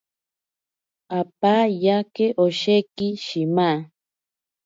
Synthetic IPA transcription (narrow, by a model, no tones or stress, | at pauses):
ap̚ajakeʔoʃekiʃima